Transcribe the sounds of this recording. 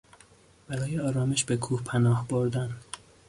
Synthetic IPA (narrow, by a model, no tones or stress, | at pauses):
b̥æɾɒːjeɒːɾɒːmeʃbekʰuːhpʰænɒːhboɾd̪æn